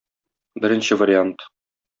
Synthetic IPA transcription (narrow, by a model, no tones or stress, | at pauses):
bɘ̆ɾɘ̆nɕɘvɐɾʲɪant̪